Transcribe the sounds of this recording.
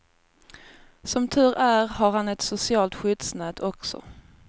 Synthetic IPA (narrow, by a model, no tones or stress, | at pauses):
sɔmt̪ʰʉ̟ːɾæɾhaɾhanɛt̪sʊsɪɑːlt̪ɧʏd̪snɛːd̪ʰɔksɔ̰